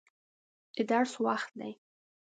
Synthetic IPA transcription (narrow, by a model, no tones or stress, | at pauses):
ɪd̪aɾswaxt̪̚d̪a̰j